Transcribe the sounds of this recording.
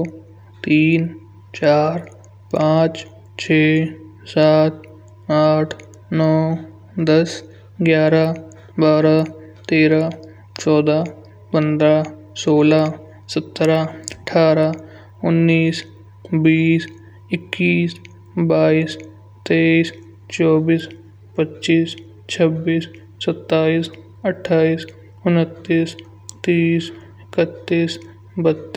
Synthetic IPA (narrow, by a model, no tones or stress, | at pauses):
t̪iːn | t͡ʃaːɾ | pãːt͡ʃ | t͡ʃʰeː | saːt̪̚ | aːʈʰ | nɔː | d̪əs | ɡjaːɾa | baːɾa | t̪eːɾa | t͡ʃɔːd̪a | pə̃nd̪ɾa | soːla | sət̪ːɾaəʈʰaːɾa | ʊnːiːs | biːs | ɪkːiːs | baːiːs | t̪eːiːs | t͡ʃɔːbiːs | pətːʃiːs | t͡ʃʰəbiːsː | ət̪ːaːiːs | əʈʰːaːiːs | ʊnət̪ːiːs | t̪iːs | ɪkət̪ːiːs | bət̪ː